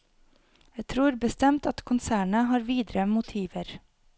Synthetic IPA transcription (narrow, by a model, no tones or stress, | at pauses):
jæɪt̪ʰɾuːɾbəst̪ɛmt̪ɑt̪kʰʊnsæːɳəɦɑːɾʋiːd̪ɾəmʊt̪ʰiːʋəɾ